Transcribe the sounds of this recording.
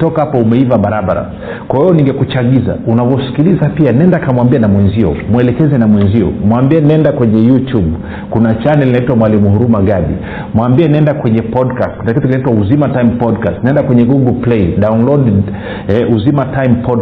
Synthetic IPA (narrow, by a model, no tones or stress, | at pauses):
tɔkahapɔumɛivaɓaɾaɓa̰ɾa̰ | kwawɛɔniŋɡɛkut͡ʃaɠiza̰unavɔsi̥kilizapianɛndakamwambianamwɛnziɔ̰mwɛlɛkɛzɛnamwɛnziɔ̰mwambiɛnɛndakwɛɲɛjutub | kunat͡ʃanɛlinaitwamwalimuhuɾumaɡaɓḭ | mwambiɛnɛndakwɛɲɛpɔdkastknakitukinaitwauzimataimpɔdkastnaɛndakwɛɲɛɡuɡɔlplɛiɗaunlɔd | ɛuzimataimpɔd